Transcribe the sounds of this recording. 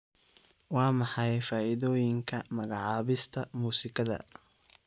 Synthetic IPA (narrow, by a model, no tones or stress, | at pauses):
wɑːmɑħɑjfaːʔɪðɔːjɪŋkʰɐmɐɣɑʕɑːβɪst̪ʰɐmuːsɪkʰɐðɐ̰